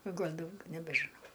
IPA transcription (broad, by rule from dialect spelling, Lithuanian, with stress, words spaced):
oː ˈɡɐlʲ ˈdɐʊɡʲɛ nʲɛbʲɛʒʲɪˈnɐʊ